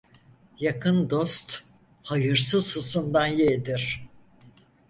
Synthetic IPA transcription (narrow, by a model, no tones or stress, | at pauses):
jakʰɯnd̪o̞st̪ | hajɯɾsɯzhɯsɯnd̪anjed̪iɾ̥